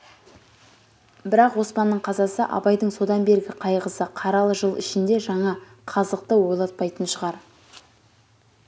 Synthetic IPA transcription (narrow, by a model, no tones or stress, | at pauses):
bɪɾɑqwo̞spɑnːəɴqʰɑzɑsəʔɑ̰bɑjd̪əɴso̞d̪ɑnbe̞ɾɡʲɪqʰɑjʁəsəqʰɑɾɑlˠəʒəlˠɪ̰ʃɪnd̪e̞ʒɑɴɑ | qʰɑzəq̚t̪əwo̞jlˠɑt̪̚pɑjt̪ənʃəʁɑɾ